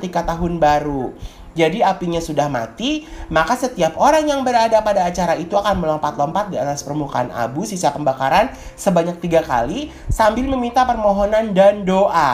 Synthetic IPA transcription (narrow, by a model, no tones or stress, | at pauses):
t̪ikat̪aɦʊnbaɾu | d͡ʒadiapiɲasudahma̰t̪imakasət̪iapoɾaŋjaŋbəɾadapadaːt͡ʃaɾait̪uakanməlɔmpat̪lɔmpat̪̚diat̪aspərmuka̰ana̰busisapəmbakaɾan | səbaɲak̚t̪iɡaka̰li | sambɪlməmint̪apərmoɦɔnandandoʔa